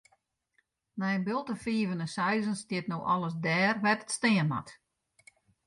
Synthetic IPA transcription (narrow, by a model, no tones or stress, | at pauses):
nɛjənbɪlˠtəfiːvənəsɛjzənstjɪtnoːʔɔlˠəsdɛːrʋɛtətstɪənma̰t